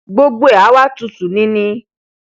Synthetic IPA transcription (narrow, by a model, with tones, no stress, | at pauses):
ɡ͡bo˦ɡ͡bo˦e˦˨a˨˦wa˦tu˧˨su˨nĩ˦nĩ˧